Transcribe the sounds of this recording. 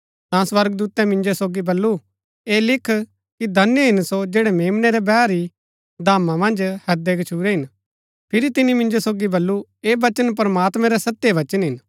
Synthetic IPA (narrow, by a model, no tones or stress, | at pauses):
t̪ãswɐɾɡd̪uːt̪ɛmɪ̃nd͡ʒosoːɡibɐlːu | eːlɪkʰ | kid̪ʱɐnjəɦɪnsod͡ʒeːɽɛmeːmnɛɾɛbɛːɾi | d̪ʱaːmãmɐ̃nd͡ʒhɐd̪ɛɡɐt͡ʃʰuːɾɛɦɪn | pʰɪɾit̪ɪnĩmɪ̃nd͡ʒosoːɡibɐlːueːʋɐt͡ʃənp̬ɾmaːt̪mɛ̃ɾɛsɐt̪ːjeʋɐt͡ʃənɦɪn